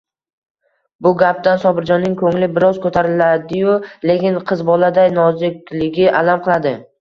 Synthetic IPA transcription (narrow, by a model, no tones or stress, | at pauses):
bʊɡʲap̚d̪ansɒbɪɾd͡ʒɒnːɪŋkʰɵŋlɪbɪɾɒz̥kʰɵt̪ʰaɾɪlad̪ɪjʊle̞kʲɪnqʰɨzbɒlad̪ajnɒzɪkʲlɪɡʲɪʔalamqʰɨlˠad̪ɪ